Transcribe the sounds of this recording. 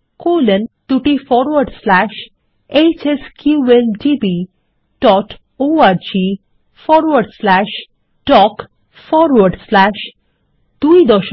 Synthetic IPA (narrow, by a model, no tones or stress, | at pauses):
kolent̪uʈifɔɾwəɾɖslæʃ | et͡ɕeskjuend͡ʒibi | ɖ̥ɔʈ | oaɾd͡ʑi | fɔɾwəɾɖslæʃ | ʈɔk | fɔɾwəɾɖslæʃ | d̪̥uid̪ɔʃ